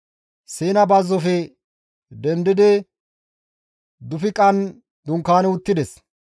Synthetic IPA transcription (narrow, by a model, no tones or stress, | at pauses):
siːnɐbɐzːɔfɛ | d̪ɛnd̪ɪd̪ɪ | d̪ʊfɪkʼɐn | d̪ʊŋkːaːnɛʊt̪ːɪd̪ɛs